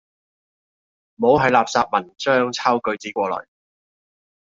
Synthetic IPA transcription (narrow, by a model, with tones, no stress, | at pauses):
mo˨˧˥wɦɐ˨˧jlaː˨p̚saː˧p̚mɐ˨˩nt͡ʃœː˥ŋt͡sʰaː˥wkɵ˨˧ɥt͡siː˨˥kʷɔː˧lɔ̰ː˨˩j